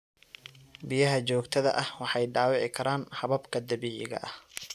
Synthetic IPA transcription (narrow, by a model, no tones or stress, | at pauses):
bɪjɐɦɐt͡ʃɔːɡt̪ʰɐðɐ̰ʔɐhwɑħɑjɖɑːwɑʕɪkʰɐɾaːnħɑβɐbkʰɐd̪ɐβiːʕɪɣɐ̰ʔɐh